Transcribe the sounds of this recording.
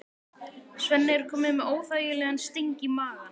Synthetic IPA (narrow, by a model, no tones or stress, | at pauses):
svɛnːɪɾ̥kʰɔːmɪmɛðoːwθaɥjɪlɛːɣanst̪iɲcimaːɣan